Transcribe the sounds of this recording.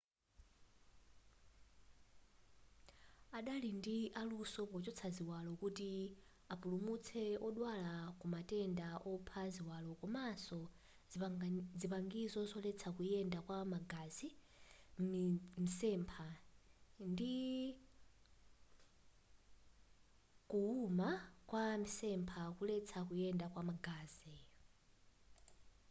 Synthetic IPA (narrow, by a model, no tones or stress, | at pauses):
aɗalindiʔalusɔpɔt͡ʃɔt͡sʰaziwalɔkuti | apulumut͡sʰɛɔɗwalakumatɛndaʔɔpʰaziwalɔkɔmasɔ | d͡zipaŋɡizɔzɔlɛt͡sʰakujɛndakwamaɡazi | misɛmpʰa | ndi | kuumakwamisɛmpʰakulɛt͡sʰakujɛndakwamaɡaːzɛ